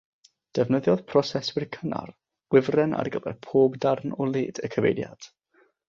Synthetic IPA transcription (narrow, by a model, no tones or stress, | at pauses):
d̥ɛvnəðjɔðpʰrɔsɛswɪrkʰəna̰r | wɪvrɛna̰rɡəvɛ̰rpʰoːbdarnɔlˠeːdəkʰəvḛjdja̰d̥